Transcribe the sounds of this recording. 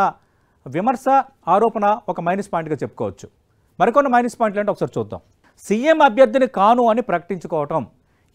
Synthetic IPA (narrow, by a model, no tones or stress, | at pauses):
ɐ | ʋimɐɾsɐ | aːɾɔːpɐnɐɔkɐmɐjnispaːiɳʈɡaːt͡ʃe̞pːu̥kɔ̰ːʋɐt͡ʃːu̥ | mɐɾikonːimɐjnisi̥paːjiɳʈ̬lɐːɳʈɔkːɐsaːɾit͡ʃuːd̪ːa̰ːm | siːemɐbʱjɐɾd̪ʱinikaːnuɐnipɾɐkɐ̥ʈiɲt͡ʃukɔːʋɐʈɐm